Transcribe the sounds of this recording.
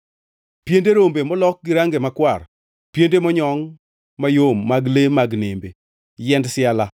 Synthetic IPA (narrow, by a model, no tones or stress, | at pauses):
pjendeɾombemɔlɔk̚ɡɪɾaŋɡemakwar | pjendemɔɲɔŋ | majomːaɡlemaɡnembe | jɛndsɪala